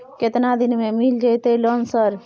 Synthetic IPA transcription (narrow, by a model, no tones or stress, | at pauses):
ket̪nad̪inmemild͡ʒəjt̪elɔnsəɾ